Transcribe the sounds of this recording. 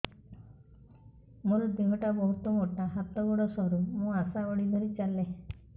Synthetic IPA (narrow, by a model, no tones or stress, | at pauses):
mulbimɔʈabɔɦut̪ɔmoʈaɦat̪ɔɡɔɽɔsɔɾumũasaoɽid̪ʱɔɾit͡ʃale